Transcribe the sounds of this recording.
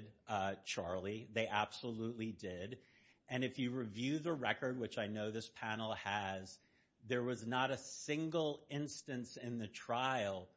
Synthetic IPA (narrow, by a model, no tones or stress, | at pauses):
dt͡ʃʰɑɹlˠiðeɪʔæb̥səlutˡlidɪɾ | ʔɨ̃nɨfjɨɹɨvjʉðəɹɛkə˞d̚wɨt͡ʃaɪnoʊðɪspʰænl̩ˠɨz | ðə˞wʌznəɾɨsɪ̃ŋɡl̩ˠɪ̃nstɨ̃nsɪ̃nðɨtʰɹ̥aɪl̩ˠ